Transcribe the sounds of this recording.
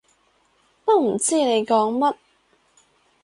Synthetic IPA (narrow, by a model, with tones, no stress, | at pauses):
pɐ˥k̚m̩˨˩t͡siː˥ne˨˧jkɔː˨˥ŋmɐ˥t̚